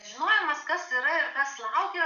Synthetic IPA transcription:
ʒʲɪnoːjɛmɐskɐsiɾɐɪɾkɐslˠɐʊkʲɛ

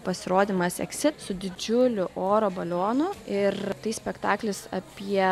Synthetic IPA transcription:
pɐsʲɪɾoːd̪ʲimɐsɛ̰ksʲɪt̪sʊd̪ʲɪd͡ʒʲʊlʲʊʔoːɾoːbɐlʲoːnʊɪrt̪ɐɪsʲpʲɛkt̪ɑːklʲɪsɐ̰pʲiɛ

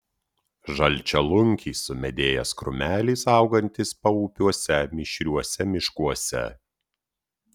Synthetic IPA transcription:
ʒɐlʲt͡ʃʲɛlˠʊŋʲkʲiːsʊmʲɛd̪ʲeːjɛskɾʊ̰mʲæːlʲiːsɑʊɡɐnʲt̪ʲɪspɐuːpʲuɔsʲɛmʲɪʃʲɾʲuɔsʲɛmʲɪʃkuɔsʲɛ̰

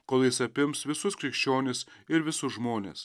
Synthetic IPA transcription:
koːlˠjɪsɐpʲɪmsʋʲɪsʊskɾʲɪkʃʲt͡ʃʲoːnʲɪsɪɾʋʲɪsʊsʒmoːnʲḛːs

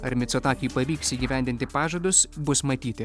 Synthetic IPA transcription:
ɐɾʲmʲɪt̪soːt̪ɑːkʲɪjupɐʋʲiːksiːɡʲiːʋʲæˑnʲd̪ʲɪnʲt̪ʲɪpɑːʒoːd̪ʊsbʊsmɐt̪ʲiːt̪ʲɪ

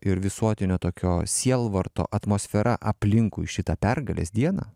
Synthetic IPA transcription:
ɪɾʋʲɪsuɔt̪ʲɪnʲoːt̪oːkʲoːsʲiɛlˠʋɐrt̪o̰ːʔɐt̪moːsʲfʲɛɾʔɐʔɐpʲlʲɪŋkʊːɪʃʲɪt̪ɑpʲɛrɡɐlʲḛːsd̪ʲiɛnɐ̰ː

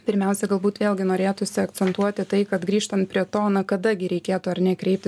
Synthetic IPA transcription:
pʲɪɾʲmʲɛʊsʲɛɡɐlˠbuːt̪ʋʲeːlʲˠɡʲɪnoːɾʲeːt̪ʊsʲɪɐk̪t͡ssʲɛnt̪uɔt̪ʲɪt̪ɐɪkɐt̪ɡɾʲiːʃt̪ɐnt̪̚pʲɾʲiɛt̪oːnɐkɐd̪ɐɡʲɪɾʲɛɪkʲeːt̪ʊɐɾnʲɛkɾʲɛɪp̚t̪ʲɪ

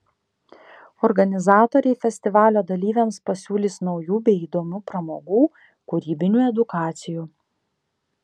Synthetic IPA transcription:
ɔɾɡɐnʲɪzɑːt̪oɾʲɛɪfʲɛsʲt̪ʲɪʋɑːlʲoːd̪ɐlʲiːʋʲɛmspɐsʲuːlʲiːsnɒʊjuːbʲɛɪiːd̪oːmʲuːpɾɐmoːɡuː | kʊɾʲiːbʲɪnʲuːɛd̪ʊkɑːt̪sʲɪjuː

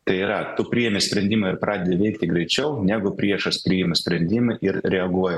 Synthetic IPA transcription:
t̪ɐɪiːɾɐt̪ʊpʲɾʲiːjɛmʲesʲpʲɾʲɛnʲd̪ʲiːmɪɾpɾʔɑːd̪ʲed̪ʲɪʋʲɛɪkt̪ʲɪɡɾʲɛɪt͡ʃʲɛʊnʲæːɡʊpʲɾʲiɛʃɐspʲɾʲiːjɪmʊsʲpʲɾʲɛnʲd̪ʲiːmɐʔɪɾɾʲɛɐɡuɔjɛ

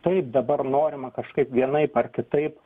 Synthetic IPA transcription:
t̪ɐɪp̚d̪ɐbɐrnoːɾʲɪmɐkɐʃkɐɪpʋʲiɛnɐɪpɐrkʲɪt̪ɐɪp

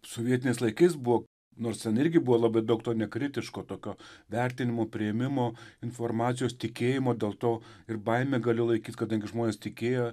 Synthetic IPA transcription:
soʋʲiɛt̪ʲɪnʲɛɪslˠɐɪkɐɪsbʊʋoː | noːrst̪ʲɛnɪɾʲɡʲɪbʊʋoːlˠɐbɐɪd̪ɐʊk̚t̪oːnʲɛkɾʲɪt̪ʲɪʃkoːt̪oːkʲoːʋʲɛrʲt̪ʲɪnʲɪmoːpʲɾʲɪɛmʲɪmoːɪnfoːrmɑːt͡s̪sʲɪjoːst̪ʲɪkʲeːjɪmoːd̪ʲeːlˠt̪oːɪrbɐɪmʲeːɡɐlʲɪlˠɐɪkʲiːt̪ʲkɐd̪ɐŋʲɡʲɪʒmoːnʲeːst̪ʲɪkʲeːjo

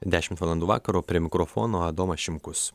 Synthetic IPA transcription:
d̪ʲæːʃʲɪmt̪ʋɑːlˠɐnd̪uːʋɑ̰ːkɐɾoːpʲɾʲiɛmʲɪkɾofoːnoːɐd̪oːmɐʃʲɪmkʊs

